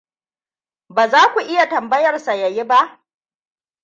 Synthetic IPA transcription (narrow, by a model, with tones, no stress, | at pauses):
baː˨zaː˦kʷu˨ʔɪ˦ja˨tɐ˨mbɐ˦jɐ˨rsa˨jɐ˨ji˦ba˦ʔ